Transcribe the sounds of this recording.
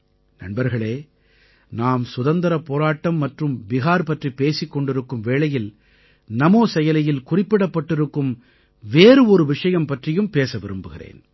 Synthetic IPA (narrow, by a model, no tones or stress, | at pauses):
nɐ̰nbɐɾɣɐɭeː | naːmsʊðɐnd̪ɐɾɐpoːɾaːʈːɐmːɐʈrɯmbɪɣaːɾpɐʈripːeːsɪkːɔɳɖɪɾɯkːɯmʋeːɭɐjɪl | nɐmoːsɛjɐlɐjɪlkʊrɪpːɪɽɐpːɐʈːɪɾɯkːɯm | ʋeːɾɯɔɾɯʋɪʂɐjɐmpɐʈrɪjɯmpeːsɐʋɪɾɯmbɯɣɪrḛːn